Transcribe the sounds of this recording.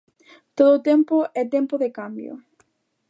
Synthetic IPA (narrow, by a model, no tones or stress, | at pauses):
t̪oðʊːt̪ɛmpʊɛt̪ɛmpoðɪkambjo̰